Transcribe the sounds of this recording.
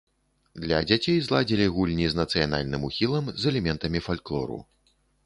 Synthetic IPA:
d̪lʲɐd͡zʲat͡sʲejzlˠad͡zʲilʲiɣulʲnʲiznɐt̪sɨjana̰lʲnɨmuxʲilˠɐmzɛlʲɛmʲɛnt̪ɐmʲifalʲklˠɔ̰ɾṵ

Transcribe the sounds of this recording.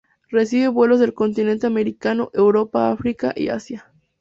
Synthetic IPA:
re̞siβe̞βwe̞lo̞zðelko̞nt̪ine̞nt̪e̞ame̞ɾikano̞ʔewɾo̞paafɾika̰ʔḭa̰sja

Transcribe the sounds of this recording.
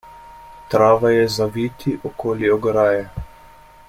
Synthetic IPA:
t̪ɾaːʋajɛzaʋiːt̪iʔɔkoːliɔɡɾaːjɛ

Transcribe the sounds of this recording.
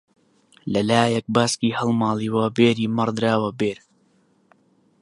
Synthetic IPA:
lɐlaːjɐk̚baːskiːhɐlˠmaːliːwɐbeːɾiːmɐɾd̪ɨɾaːwɐbeːɾ

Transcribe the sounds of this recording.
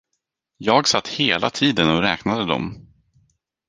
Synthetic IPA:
jɑːɡsat̪ːheːlʔa̰t̪ʰiːd̪ənɔɾɛːknad̪əd̪ɔ̰m

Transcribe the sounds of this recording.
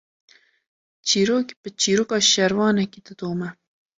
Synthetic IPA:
t͡ʃʰiːɾoːkbɨt͡ʃʰiːɾoːkɑːʃɛɾvɑːnɛkiːd̪ɨd̪oːmɛ

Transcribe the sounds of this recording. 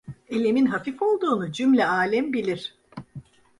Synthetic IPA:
elʲeminɦafifo̞lˠd̪uːnud͡ʒymlʲɛaːlʲɛmbilʲiɾ̝̥

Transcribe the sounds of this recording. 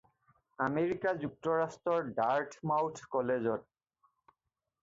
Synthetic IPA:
ameɾikad͡ʑuk̚toɾastɾoɾɖaɾʈʰmawʈʰkɔled͡ʑoʈ̚

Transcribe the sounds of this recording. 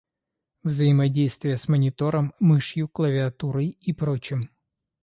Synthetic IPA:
vzəjɪmɐdʲejst̪vʲɪjəsmənʲɪt̪o̞ɾəmːɨʂjʊklˠəvʲɪɐt̪uɾəjipɾot͡ɕɪm

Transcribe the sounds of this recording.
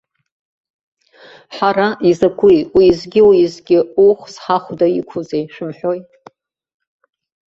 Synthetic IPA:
ħaɾaizakʷʰujwiːzɡʲɪwiːzɡʲɪuχʷsħaχʷdaikʷʰuzejʃʷᶣɨmħʷᶣojt

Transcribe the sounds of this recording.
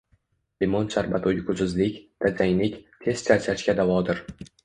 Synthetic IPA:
lɪmonʃaɾbat̪ʰojɪkʰʊzɪzlɪkʲd̪̥azajlɪkʲt̪ʰe̞z̥t͡ʃʰaɾt͡ʃʰat͡ʃkʲad̪avɒd̪ɪɾ

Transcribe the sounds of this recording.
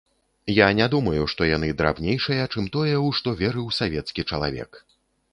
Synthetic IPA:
janʲad̪umɐjuʂt̪ɔjan̪ɨd̪ɾa̰wnʲejʂɨjɐt͡ʂɨmt̪ɔjɛwʂt̪ɔvʲɛɾɨwsavʲɛt̪skʲit͡ʂɐlˠa̰vʲɛ̰k

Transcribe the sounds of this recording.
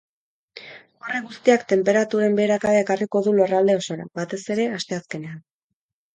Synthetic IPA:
o̞re̞ɡust̪iakt̪e̞mpe̞ɾat̪uɾe̞mbe̞ːɾakaβeekariko̞ðulo̞rald̪e̞o̞so̞ɾa̰βat̪e̞se̞ɾe̞ast̪e̞aske̞ne̞an

